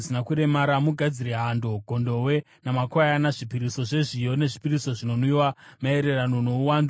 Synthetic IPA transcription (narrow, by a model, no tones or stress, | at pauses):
sinakuɾe̞maɾamuɡʱad͡ziɾeɦando̞ɡʱo̞ndo̞we̞ | namakwajanaʐipiɾiso̞ʐe̞ʐijo̞ne̞ʐipiriso̞ʐino̞niwamae̞ɾe̞ranono̞uwaːndu